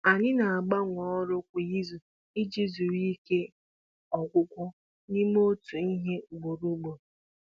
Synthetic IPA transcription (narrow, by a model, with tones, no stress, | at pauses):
a˨ɲɪ˦na˨a˨ɡ͡ba˦ŋʷɔ˨ɔ˦ɾʊ˦kʷʊ˨ji˦zu˨ | ɪ˦d͡ʒi˦zu˨ɾi˦ke˦ | ɔ˨ɡʷʊ˦kʷʊ˦ | ni˦mo˦tu˨i˦ɦe˦ɡ͡bo˨ɾu˦ɡ͡bo˨